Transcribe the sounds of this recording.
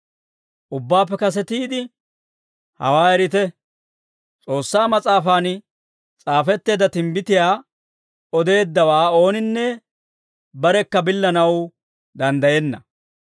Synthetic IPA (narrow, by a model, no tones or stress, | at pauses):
ʔʊbːaːpːɛkɐs̬ɛt̪iːd̪ɪ | hɐ̰waːɛɾɪt̪ɛ | t͡sʼo̞ːsːaːmɐt͡sʼaːfaːn | t͡sʼaːfɛt̪ːe̞ːd̪ɐt̪ɪmbɪt̪ɪjaː | ɔd̪e̞ːd̪ːɐwaːo̞ːnɪnːɛ | bɐɾɛkːɐbɪlːɐnɐw | d̪ɐnd̪ɐjɛnːɐ